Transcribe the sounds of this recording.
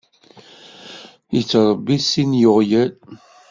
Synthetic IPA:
jət͡sːɾˤəbːisinjʊʁjæl

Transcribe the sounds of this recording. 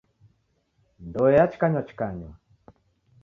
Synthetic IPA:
ndɔɛat͡ʃkaɲɔt͡ʃkaɲɔ

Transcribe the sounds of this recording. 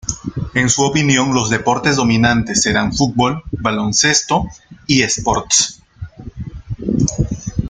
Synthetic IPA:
e̞nsuopinjõ̞ŋlo̞zðe̞po̞ɾt̪e̞zðo̞mĩnãnt̪e̞sːeɾanfut̪̚bo̞lbalo̞nse̞st̪o̞iespo̞ɾt̪s

